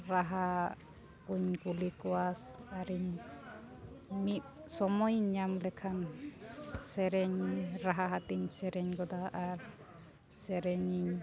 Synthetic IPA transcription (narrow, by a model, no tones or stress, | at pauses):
ɾaɦa | uɲkulikɔwas | aɾiɲ | mit̪̚sɔmɔjɲamlɛkʰan | sɛɾɛɲɾaɦaɦat̪iɲsɛɾɛɲɡɔd̪aʔaɾ | sɛɾɛɲiɲ